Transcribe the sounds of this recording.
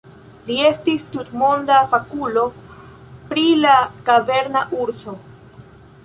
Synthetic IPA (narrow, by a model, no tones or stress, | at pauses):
lie̞stistutmo̞ndafakulo̞ | pɾilakave̞ɾnaʔuɾso̞